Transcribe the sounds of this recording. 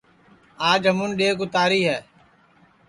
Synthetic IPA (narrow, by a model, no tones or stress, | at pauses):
aːd͡ʒəmʊnɗeːɡʊt̪aːɾiːɦɛː